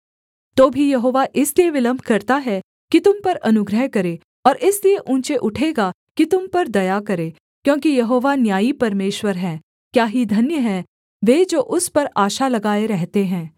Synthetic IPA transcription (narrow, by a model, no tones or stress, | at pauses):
t̪oːbʱijɐɦoːʋaʔɪslieʋɪlə̃mbʱkɐɾt̪aɦɛ | kit̪ʊmpɐɾɐnʊɡɾəɦkɐɾeː | ɔːɾɪslieʔũːt͡ʃeʔʊʈʰeːɡa | kit̪ʊmpɐɾd̪ɐjakɐɾeː | kjõːkijɐɦoːʋanjaːipɐɾmeːʃwəɾɦɛ̃ː | kjaːɦid̪ʱɐnjəɦɛ̃ː | ʋeːd͡ʒoːʔʊspɐɾaːʃalɐɡaːeɾɛɦt̪eɦɛ̃ː